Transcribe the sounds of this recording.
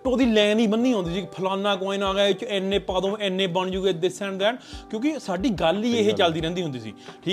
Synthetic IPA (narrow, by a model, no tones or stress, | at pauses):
ʈõːd̪iːlɛːniːbənːiːɦõːnd̪iːsiːkpʰəlãːnːãːkõːĩːnaːɡɛːɪt͡ʃɛːnːẽːpaːd̪õːɛːnːẽːbəɳd͡ʒuːɡeːd̪ɪsɛ̃ːɳd̪ɛːnkjõːkɪsaːɖiːɡəliːeɦeːt͡ʃəld̪iːɾɛ̃ːnd̪iːɦʊ̃nd̪iːsḭːʈʰiː